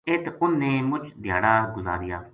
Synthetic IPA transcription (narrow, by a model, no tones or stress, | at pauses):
ɪt̪ʊnːẽːmʊt͡ʃd̪ʱjaːɽaːɡʊza̰ːɾɪjaː